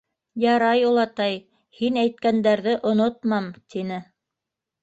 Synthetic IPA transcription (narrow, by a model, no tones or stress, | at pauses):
jɑɾɑjulˠɑt̪ɑj | hinæjt̪̚kænd̪æɾðɘʔŏnot̪mɑmt̪inɘ